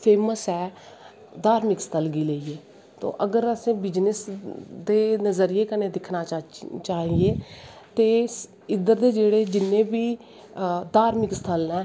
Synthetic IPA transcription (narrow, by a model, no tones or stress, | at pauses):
pʰeːməsɛː | d̪aːɾmɪkst̪ʰəlɡiːleiːeː | t̪o̰ːʔəɡəɾəsẽːbɪd͡ʒnəsd̪eːnəzəɾɪeːkənẽːd̪ɪkʰnaːt͡ʃaːɦieːt̪eːs | ɪd̪əɾd̪eːd͡ʒeːɽeːd͡ʒɪnːẽːbiː | d̪aːɾmɪkst̪ʰəlɛː